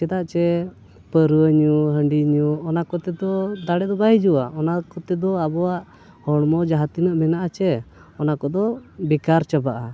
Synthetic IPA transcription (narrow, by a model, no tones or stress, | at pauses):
t͡ʃɛd̪aʔt͡ʃɛ | pəɾuəɲuɦəɳɖiɲuɔnakɔt̪ɛd̪ɔd̪aɽɛd̪ɔbaɦid͡ʒuwaɔnakɔt̪ɛd̪ɔabɔwaʔ | hɔɽmɔd͡ʒaɦat̪inəʔmɛnaʔat͡ʃɛ | ɔnakɔd̪ɔbikaɾt͡ʃəbaʔa